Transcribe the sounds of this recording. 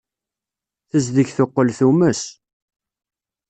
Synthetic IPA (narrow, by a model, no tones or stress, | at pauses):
θəzðəçθoqːəlθuməs